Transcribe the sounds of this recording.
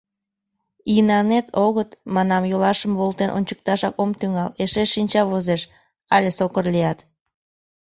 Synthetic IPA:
inɑnet̪oɣət̪mɑnɑmjolɑʃəmβolˠt̪enʔo̰nʲt͡ɕə̥k̚t̪ɑʃɑkomt̪yŋɑleʃeːinʲt͡ɕɑβozeʃ | ɑlʲesokərlijɑt̪

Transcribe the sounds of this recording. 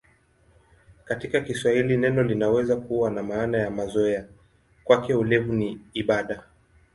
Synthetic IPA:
katikakiswahilinɛnɔlinawɛzakuwanamaːnajamazɔɛa | kwakɛulɛvuniːɓaɗa

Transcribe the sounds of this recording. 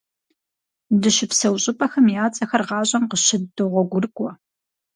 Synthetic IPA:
dɨʃɪpsɐwɕʼɪpʼɐxɐmjaːt͡sʼɐxɐrʁɑːɕʼɐmqəɕɪdɨʁʷɔɡʷʊrkʷʼɔ

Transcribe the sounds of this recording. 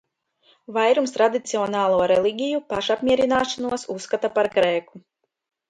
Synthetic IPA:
vajɾumst̪ɾad̪it̪siɔnaːlˠuɔɾɛlˠiɡʲijupaʃapmʲiɛɾinaːʃanuɔsusːkat̪apaɾkɾeːku

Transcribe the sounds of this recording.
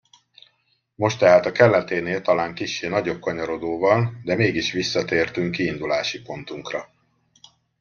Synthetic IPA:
mo̞ʃt̪ɛɦaːt̪ɒkɛlːɛt̪eːneːlt̪ɒlaːŋkiʃːeːnɒɟo̞b̚kɒɲɒɾo̞d̪oːvɒnd̪ɛmeːɡiʃʋisːɒt̪eːrt̪yŋkːiːnd̪ulaːʃipo̞n̪t̪uŋkrɒ

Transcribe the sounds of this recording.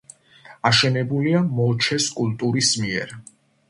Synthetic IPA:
aʃɛnɛbuliamɔt͡ʃʰɛskʼulˠt̪ʼuɾismiɛ̰ɾ

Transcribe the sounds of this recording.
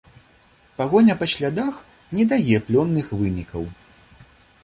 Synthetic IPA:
paɣɔnʲɐpɐɕʲlʲad̪ax | nʲɛd̪ajʲɛplʲɔnːɨxvɨnʲikɐw

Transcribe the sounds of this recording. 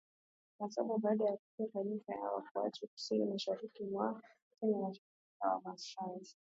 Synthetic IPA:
kasaɓaɓaːɗajakutiataɾifaja̰wa̰kuwa̰tuku̥sinimaʃaɾikimwa | kininaʃa | ika̰wa̰masi̥ʃazi

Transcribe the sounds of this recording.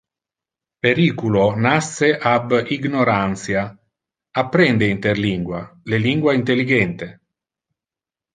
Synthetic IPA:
peɾiːkulonasːeʔabiɡnoɾant̪sja | apːɾɛnd̪eint̪erliŋɡwaleliŋɡwaint̪elːiɡɛnt̪e

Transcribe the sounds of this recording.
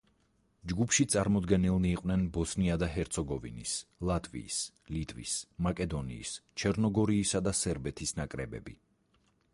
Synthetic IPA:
d͡ʒɡupʰʃit̪sʼaɾmɔd̪ɡɛnilˠniːqʼnɛnbɔsniad̪aɦɛɾt̪sʰɔɡɔvḭnislˠat̪ʼvḭːs | lit̪ʼvḭsmakʼɛd̪ɔnḭːst͡ʃʰɛɾnɔɡɔɾiːsad̪asɛɾbɛt̪ʰisnakʼɾɛbɛ̰bi

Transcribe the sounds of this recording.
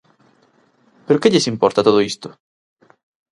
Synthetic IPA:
peɾokeʎesimpɔɾt̪at̪oð̞oist̪o̥

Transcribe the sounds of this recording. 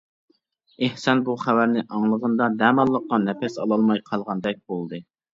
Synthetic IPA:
ehsɑnbuχæwæɾnɪʔɑŋlˠəʁənd̪ɑnɛmɑlˠːəqːɑnɛpʰɛsɑlˠɑlˠmɑjqʰɑlˠʁɑnd̪ɛk̚ʲbolˠd̪ɨ

